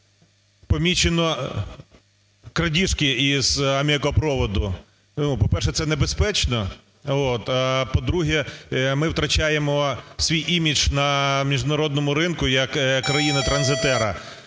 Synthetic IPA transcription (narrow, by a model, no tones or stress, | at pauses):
pɔmʲit͡ʃenɔ | kɾɐdʲiʃkɪiz̥ɐmʲiɐkɔpɾɔʋɔd̪ʊ | nupɔpɛrʃɛt̪ɛnebespɛt͡ʃnɔ | ot̪apɔd̪ɾuɦɛmɪwt̪ɾɐt͡ʃajemɔsʲʋʲijʔimʲid͡ʒnɐmʲiʒnɐɾɔd̪̚nɔmʊɾɪnkʊjɐkkːɾɐjinɪt̪ɾɐnzɪt̪ɛɾɐ